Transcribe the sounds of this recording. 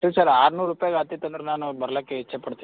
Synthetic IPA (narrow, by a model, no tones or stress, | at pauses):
it͡ʃʰaɾaːɾnuɾupjaɡat̪it̪ənd̪ɾnanubəɾlakːeɦiːt͡ʃʰapəɽt̪